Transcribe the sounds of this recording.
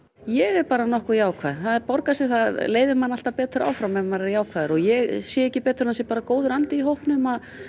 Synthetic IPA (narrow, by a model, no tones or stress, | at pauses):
jɛɣɛpaːɾanɔhkʏjaːwkʰvaːðɪθaðɛɾpɔɾkasɛθaðleːjðɪmanːal̥t̪apɛːt̪ɾaːwfɾamɛmaɾɛɾjaːwkʰvaːðɪɾɔɣjɛɣsjɛɛhcːɪpɛːt̪ʏɾnasjɛpaːɾakoːwðʏɾant̪ɪiɦowhpnʏmað